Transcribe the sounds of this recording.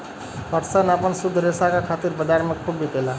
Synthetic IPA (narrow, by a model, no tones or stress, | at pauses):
pəɾsanəpənsud̪ʱːɾesakakʰaːt̪iɾbəd͡ʒ̪aɾmekʰubʱikela